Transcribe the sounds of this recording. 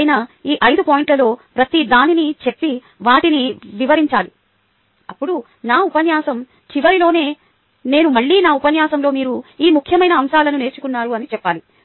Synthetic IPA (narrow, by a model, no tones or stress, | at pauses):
jnɐiːʔɐjd̪upoːjiɳʈlɐlo̞ːpɾɐt̪id̪aːninit͡ʃe̞pːi | ʋaːʈiniʋiʋɐɾiɲt͡ʃaːli | ɐpːuɽu | naːupɐnjaːsɐm | t͡ʃiʋɐɾilo̞ːne̞ː | ne̞ːnumɐɭːiːnaːupɐnjaːsɐmlo̞ːmiːɾuiːmukʰjɐmɐjnɐːmʃaːlɐnune̞ːt͡ʃukunːaːɾuɐnit͡ʃɛpːaːli